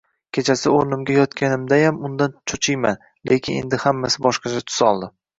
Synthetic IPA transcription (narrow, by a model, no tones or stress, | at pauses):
kʲʰe̞t͡ʃʰasɪoɾnɪmɡʲajɒt̪kʲanɪmd̪ajamʊnd̪ant͡ʃʰot͡ʃʰɪjman | le̞kʲʰɪne̞̰nd̪ɪhamːasɪbɒʃqɑt͡ʃʰat̪ʰʊ̥sɒlˠd̪ɪ